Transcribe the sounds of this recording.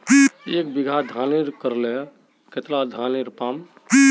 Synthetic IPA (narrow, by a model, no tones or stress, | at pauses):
ekbiɡʱad̪ʱaniɾkəɾle | ket̪lad̪ʱaniɾpam